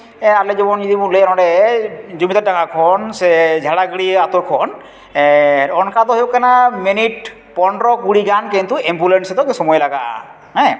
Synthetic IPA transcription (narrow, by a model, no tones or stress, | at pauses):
ɛaɾled͡ʒibɔnd͡ʒid̪imuleɛnɔɖɛd͡ʒumit̪adakʰakʰɔnsed͡ʒʱaɽaɡɽiat̪oɾkʰɔn | ɛɾɔnkʰat̪ɔɦebɔkːanaminiʈ̚ | pɔɳɖɾɔɡuɽiɡankent̪uɛmbulenʈsɛt̪ɔkesɔmɔjlaɡa̰ʔ | ɦɛ̃